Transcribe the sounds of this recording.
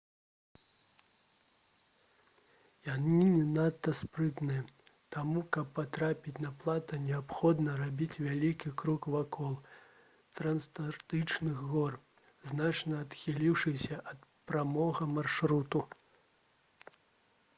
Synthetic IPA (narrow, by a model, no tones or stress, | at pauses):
janinʲɛnat̪ːɐspɾɨt̪nɨjɐ | t̪amukɐpːat̪ɾapʲit͡sʲnɐplˠat̪ɐnʲɛapxɔd̪nɐɾabʲit͡sʲvʲalʲikʲikɾukvakɔlˠ | t̪ɾɐnst̪art̪ɨt͡ʂnɨɣɣɔr | znat͡ʂnɐːt̪xʲilʲiwʂɨsʲɐʔɐt̪pɾamɔɣɐmarʂɾut̪u